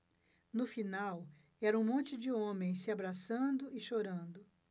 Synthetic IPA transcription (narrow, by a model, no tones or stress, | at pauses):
nʊfinaw | ɛɾɐũmõnt͡ʃɪd͡ʒɪõmẽj̃sɪabɾasɐ̃d̪ʊɪʃoɾɐ̃nd̪ʊ